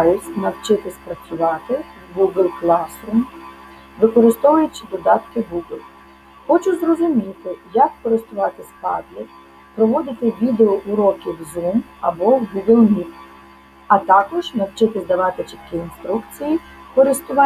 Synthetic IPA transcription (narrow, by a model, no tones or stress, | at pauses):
jʲʊsʲnɐwt͡ʃɪt̪ɪspɾɐt͡sʲʊʋɑt̪ɪ | ɡuɡlʲplˠɑsɾum | ʋɪkɔɾɪst̪ɔʋʊjʊt͡ʃɪd̪ɔd̪ɑt̪kɪɡuɡɪlʲˠ | xɔt͡ʃʊzrɔzʊmʲit̪ɪjɐkːɔɾɪst̪ʊʋɑt̪ɪspɑ̰dʲlʲi | pɾɔʋɔd̪ɪt̪ɪʋʲid̪eɔʔʊɾɔkʲɪwzum | ɐ̰bɔwɡuɡɪlʲˠmʲik | ɐt̪ɑkɔʒnɐwt͡ʃɪt̪ɪzd̪ɐʋɑt̪ɪt͡ʃɪt̪kʲiinst̪ɾukt͡sʲiji | kɔɾɪst̪ʊʋɑ